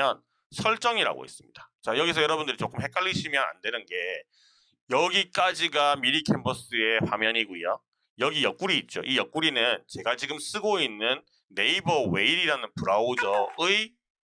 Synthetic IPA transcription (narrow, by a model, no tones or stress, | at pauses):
ʌn | sʰʌɭt͡ɕ͈ʌŋiɾa̰ɡo̰ḛs͈ɯmɲid̥ḁt͡ɕajʌɡisʰʌjʌɾʌbundɯɾit͡ɕ͈ok͈ɯmhe̞k͈aʎːiɕʰimjʌna̰ndwe̞nɯnɡe̞ | jʌɡik͈ad͡ʑiɡamiɾikʰembʰʌs͈ɯe̞pamjʌɲiɡujo | jʌɡijʌk͈̚uɾiːt̚t͡ɕ͈o̰ʔijʌk͈uɾinɯnt͡ɕe̞ɡat͡ɕiɡɯms͈ɯɡoinːɯnː | e̞ibʌwe̞iɾiɾanɯnpuɾaod͡ʑʌɯi